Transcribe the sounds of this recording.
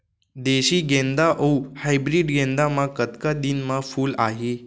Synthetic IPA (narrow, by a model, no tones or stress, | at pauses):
d̪eɕiːɡẽnd̪aʔowhajbɾiːɖɡẽnd̪amakət̪kad̪inmafuːlaɦe